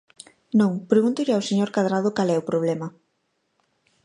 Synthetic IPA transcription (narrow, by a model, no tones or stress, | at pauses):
nõŋpɾeɣunt̪ʊʎɪawseɲoɾkaðɾaðʊkalɛopɾoβ̞lɛmɐ